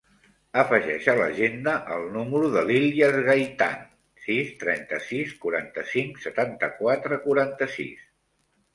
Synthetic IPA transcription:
əfəʒɛʃələ̰ʒend̪əʔəlˠnuməɾuðəliljəzɣajt̪a̰n | sist̪ɾɛnt̪əsiskuɾa̰nt̪əsiŋksət̪ant̪əkwat̪ɾəkuɾant̪əsḭs

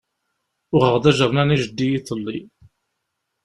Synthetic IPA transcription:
ʊʁəʁðæʒəʁˤnæniʒəd̪ːijiθəlːi

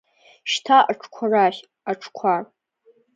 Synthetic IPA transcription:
ʃtʰaʔaʈ͡ʂʰkʷʰaraχʲ | aʈ͡ʂʰkʷʰar

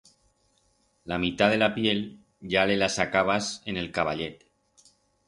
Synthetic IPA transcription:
lamit̪að̞e̞lapje̞l | ʝale̞lasakaβ̞asene̞lkaβ̞aʎet̪

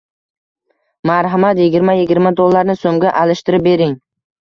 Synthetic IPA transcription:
maɾɦamat̪jɪɡʲɪɾmajɪɡʲɪɾmad̪olˠːaɾnɪsomɡʲaʔalɪʃt̪ɪɾɪp̚be̞ɾɪŋ

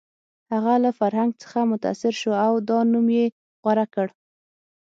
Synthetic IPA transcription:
haɣalafaɾɦaŋɡ̚t͡sə̥xamʊt̪a̰sɪɾʃoawd̪ɑnumje | ɣwaɾakəɽ

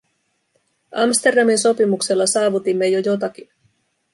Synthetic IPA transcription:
ʔɑ̰mst̪e̞rdɑminso̞pimukse̞lːɑsɑːʋut̪imːe̞jo̞jo̞t̪ɑk̟in

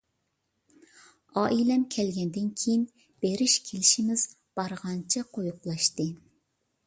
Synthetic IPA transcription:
ɑːʔilɛmkʲʰɛlɡʲɛnd̪ɪnkʲʰejin | b̥eɾɪʃkʲʰelɪʃimɪz̥ | b̥ɑɾʁɑnt͡ʃʰɛqʰojuqlˠɑʃt̪ɨ

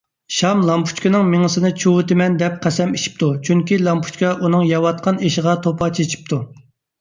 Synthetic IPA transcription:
ʃɑmlˠɑmpʰu̥t͡ʃkʲɪnɨŋmeŋəsɨnɨt͡ʃʰuwʊt̪ɪmɛnd̪ɛp̚qʰæsɛmeʃʰi̥p̚t̪ʰut͡ʃʰyŋkʲilˠɑmpʰu̥t͡ʃkʲɑʔunɨŋjɑwɑt̪̚qʰɑneʃəʁɑt̪ʰopʰɑt͡ʃʰet͡ʃʰi̥p̚t̪ʰu

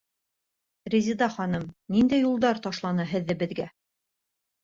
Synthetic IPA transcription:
ɾʲezʲid̪ɑχɑnɤmnind̪æjːulˠd̪ɑɾt̪ɑʃlˠɑnɤɦɘ̆ðːɘbɘ̆ðɡæ

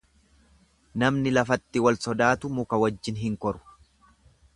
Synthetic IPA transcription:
nɐmnɪlɐfɐt̪ːɪwɐlsɔd̪aːt̪ʊmʊkɐwɐd͡ʒːɪnɦɪŋkɔɾʊ̥

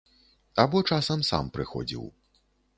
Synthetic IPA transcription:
abɔt͡ʂasɐmsa̰mpɾɨxɔ̰d͡zʲḭw

